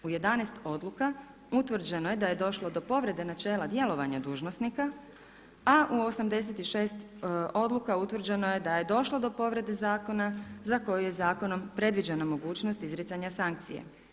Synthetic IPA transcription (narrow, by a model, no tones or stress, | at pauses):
uje̞d̪anɛst̪o̞d̪luka | ut̪ʋr̩d͡ʑe̞no̞je̞d̪aje̞d̪o̞ʃlo̞d̪o̞po̞ʋɾe̞d̪e̞nat͡ʃe̞ːlad̪je̞lo̞ʋaɲad̪uːʒno̞snika | aʔuo̞samd̪e̞s̬et̪iʃe̞ːst̪ | o̞d̪lˠukaut̪ʋr̩d͡ʑe̞no̞je̞d̪aje̞d̪o̞ʃlo̞d̪o̞po̞ʋɾe̞d̪e̞zaːko̞nazako̞jujezaːko̞no̞mpɾe̞d̪ʋid͡ʑenamo̞ɡuːt͡ʃnost̪izɾesaɲasaŋk̚t̪sijḛ